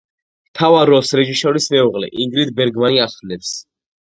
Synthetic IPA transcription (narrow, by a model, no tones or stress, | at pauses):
t̪ʰavaɾɔsɾɛʒiʃɔɾismɛuʁlɛ̰ʔiŋɡɾid̪̚bɛɾɡmaniaχnɛps